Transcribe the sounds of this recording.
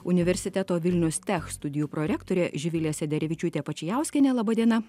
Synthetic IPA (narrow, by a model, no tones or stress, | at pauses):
ʊnʲɪʋʲɛɾʲsʲɪt̪ʲæt̪oːʋʲɪlʲnʲɛʊst̪ʲɛxst̪ʊd̪ʲɪjuːpɾoɾʲɛːkt̪oːɾʲeːʒʲɪʋʲɪlʲeːsʲɛd̪ʲɛɾʲɛʋʲɪt͡ʃʲut̪ʲeːpɐt͡ʃʲɪjæˑʊsʲkʲɛnʲeːlˠɐbɐd̪ʲiɛnɐ